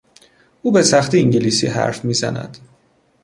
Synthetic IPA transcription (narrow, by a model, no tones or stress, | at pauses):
ʔuːbe̞sæxt̪ʰiːiŋɟiliːsḭːɦæ̰ɾfmiːzæ̰næ̰d̪̥